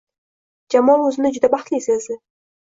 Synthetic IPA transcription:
d͡ʒamɒnɵzɪnɪd͡ʒʊd̪abɑχt̪lɪsezd̪ɪ

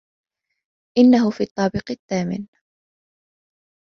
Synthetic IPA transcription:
ʔɪnːaɦʊfiːt̪ˤːɑːbɪqɪθːaːmɪ̰n

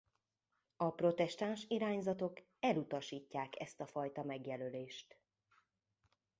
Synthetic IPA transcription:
ɒpro̞t̪ɛʃt̪anʃiɾaːɲzɒt̪o̞k | ɛlut̪ɒʃiːcːaːkɛ̰st̪ɒfɒjt̪ɒmɛɡjɛløleːʃt̪

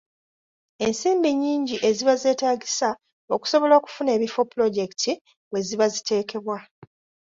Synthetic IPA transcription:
e̞nsiːmbiɲːiːɲɟiʔe̞ziβaze̞ːtaːɡisa | o̞ku̥so̞βo̞loːku̥fune̞ːβifo̞pːulo̞ɟe̞ki̥tʰi | we̞ziβazite̞ːkʰe̞βwa

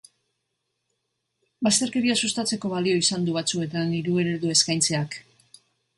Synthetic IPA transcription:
bast̪e̞ɾke̞ɾiasust̪at͡se̞ko̞βalio̞isand̪uβ̞at͡sue̞t̪aniɾuɣeɾeðue̞skajnt͡se̞ak

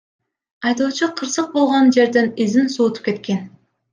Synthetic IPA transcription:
ɑjd̪oːt͡ʃuqʰɯɾsɯq̚bo̞lˠʁond͡ʒe̞ɾd̪enizinsuːt̪u̥p̚ke̞t̪̚kʲe̞n

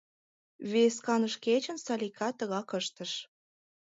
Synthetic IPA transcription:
βeskɑnəʃket͡ɕə̆nsɑlʲikʰɑt̪əɣɑkəʃt̪əʃ

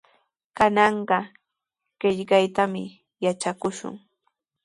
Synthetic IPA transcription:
kanɑɴɢɑ | ɢ̥ɪʎkajt̪amɪ | jat͡ʃakʊʃʊ̰ŋ

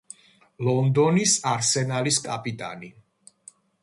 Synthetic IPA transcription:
lɔnd̪ɔnisaɾsɛnaliskʼapʼit̪ʼa̰ni

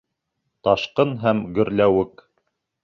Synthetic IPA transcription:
t̪ɑʃqɤnɦæmɡɵ̆ɾlæwɘk

